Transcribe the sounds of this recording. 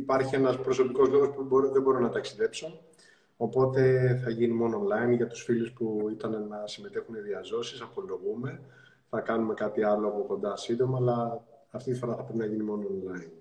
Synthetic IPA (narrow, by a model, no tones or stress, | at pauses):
ipɐɾçie̞nɐspɾo̞so̞piko̞zlo̞ɣo̞spuboɾðe̞bo̞ɾonɐt̪ɐksiðe̞pso̞ | opo̞t̪e̞θɐʝinimo̞noːnlɐinʝɐt̪u̥sfiluspuit̪ɐnenɐsime̞t̪e̞xune̞ðiɐzo̞sisɐpo̞lo̞ɣume̞ | θɐkɐnume̞kɐt̪iɐlo̞ɣoko̞nd̪ɐsind̪o̞mɐːlɐː | ft̪it̪ifo̞ɾɐθɐpɾepinɐʝinimo̞noːnlɐjin